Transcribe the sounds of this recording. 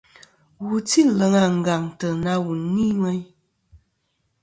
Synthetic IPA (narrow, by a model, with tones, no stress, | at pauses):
wu˨ti˦lə˨˦ŋa˨ŋ̩˨ɡa˨ŋtə˨na˦wu˨ni˦ŋɛ˦ɲ